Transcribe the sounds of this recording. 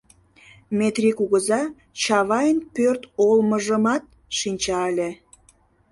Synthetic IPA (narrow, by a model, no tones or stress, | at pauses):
met̪rʲikuɣəzɑ | t͡ɕɑβɑjənpørt̪olməʒəmɑt̪̚ | ʃinʲt͡ɕɑəlʲe